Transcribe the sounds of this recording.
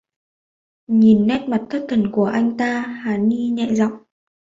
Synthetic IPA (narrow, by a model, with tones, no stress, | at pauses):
ɲi˨˩nːɛ˦˥t̚ma˨˩t̚t̪ʰə˦˥t̚t̪ʰə˧˩nku˧˩əʔa˧jŋ̟t̪aː˧haː˨˦ni˧ɲɛ̰˧˨zɔ̰˧˨wŋ͡m